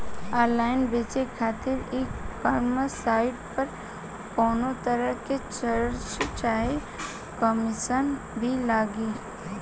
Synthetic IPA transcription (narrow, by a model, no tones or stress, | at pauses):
aːɾlaːɪnbeːt͡ʃekʰaːt̪ɪɾeːkkaɾməsaːɪʈpɐɾ | kɔːnot̪əɾəket͡ʃəɾɾt͡ʃt͡ʃaːɦe | kəmɪʃən | bʱilaːɡiː